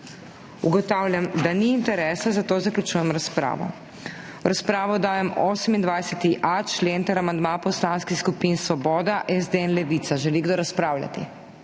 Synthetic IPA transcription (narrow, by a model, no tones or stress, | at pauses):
ṵɡɔt̪aːwlʲjʲamd̪aniːnt̪ɛɾɛːsazat̪oːzaklʲut͡ʃuːjɛmɾaspɾa̰ːʋɔ̰ | ɾaspɾaːʋɔd̪aːjɛmoːsɛmind̪ʋajsɛt̪iʔat͡ʃleːnt̪ɛɾamand̪mãpɔslaːnskixskupinsʋɔbɔːd̪aʔɛzd̪eɛnlɛʋit̪saʒɛliɡd̪oɾaspɾaːwlʲja̰t̪ḭ